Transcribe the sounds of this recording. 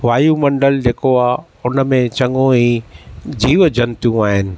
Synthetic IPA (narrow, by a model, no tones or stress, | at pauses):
ʋaːjumɐ̃ɳɖəld͡ʑeːkoaː | ʊnəmẽt͡ɕɐ̃ŋɡõĩːd͡ʑiːʋd͡ʑʱɐnt̪ijũaːɦɪnɪ̆